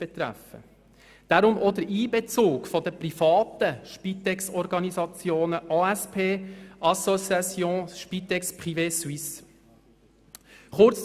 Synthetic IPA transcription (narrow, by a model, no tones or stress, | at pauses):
b̥ɛt̪ɾæ̰fə̰ | d̥aɾʊmʔɔd̪əɾʔiːbɛt͡soːkfɔd̪əpɾifɑːt̪əʃpit̪ɛksɔɾɡɑnizɑt͡sjoːnəʔɑɛspʰeːʔɑsɔsɑsjõːʃpit̪ɛkspʁiveːswis | χʊɾt͡s